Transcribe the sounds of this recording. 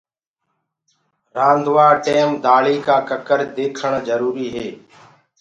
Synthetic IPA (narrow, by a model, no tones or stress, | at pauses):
ɾãːnd̪ʱʋaːʈeːmd̪aːɭiːkaːkəkəɾd̪eːkʰəɳzəɾuːɾiːɦeː